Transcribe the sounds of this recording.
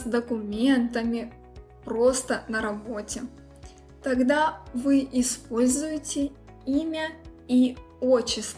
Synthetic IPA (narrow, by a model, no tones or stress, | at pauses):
d̪əkʊmʲent̪əmʲɪ | pɾo̞st̪ənəɾɐbo̞tʲɪ | t̪ɐɡd̪avɨʔɪspo̞lʲzʊjɪtʲɪ | imʲə | i | ot͡ɕːɪst̪